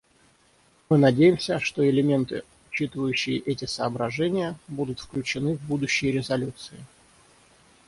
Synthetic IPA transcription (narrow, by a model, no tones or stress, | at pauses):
mɨnɐdʲejɪmsʲəʂt̪o̞ɪlʲɪmʲe̞nt̪ɨ̰ | ʊt͡ɕit̪ɨvəjʉɕːɪjɪʔɛtʲɪsəːbɾɐʐɛnʲɪjəbud̪ʊt̪fklʲʉt͡ɕɪnɨvbud̪ʊɕːɪjɾʲɪzɐlʲut̪sɨɪ